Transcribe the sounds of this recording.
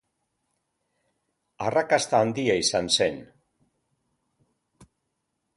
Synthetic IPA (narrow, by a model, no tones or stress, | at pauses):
arakast̪aːnd̪iaisanse̞n